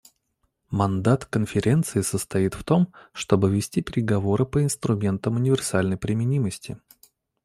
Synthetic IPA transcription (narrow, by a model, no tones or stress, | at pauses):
mɐnd̪at̪kənfʲɪɾʲe̞nt̪sɨɪsəst̪ɐit̪ft̪o̞mʂt̪o̞bɨvʲɪsʲtʲipʲɪɾʲɪɡɐvo̞ɾɨpəɪnst̪ɾʊmʲe̞nt̪əmʊnʲɪvʲɪrsalʲnəjpɾʲɪmʲɪnʲiməsʲtʲɪ